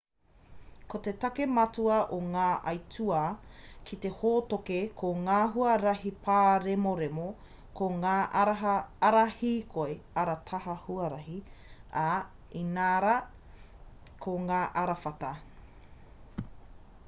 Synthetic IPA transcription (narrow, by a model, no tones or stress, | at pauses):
kotetɐkemɐtuɐʔoŋaːʔɐjtʰuɐkʰit̪e̞hoːtokekʰoŋaːɦuɐɾɐɦipʰaːɾemoɾemo | koŋaːʔɐɾɐɦɐɐɾɐhiːkʰoeɐɾɐtʰɐɦɐhuɐɾɐɦia | inaːɾɐ | kʰoŋaːʔɐɾɐfɐtɐ